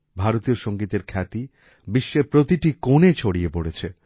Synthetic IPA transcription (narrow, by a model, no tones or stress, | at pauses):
bʱaɾot̪ioʃoŋɡit̪eɾkʰɛt̪i | biʃːepɾot̪iʈikonet͡ɕʰoɽijepoɽet͡ɕʰe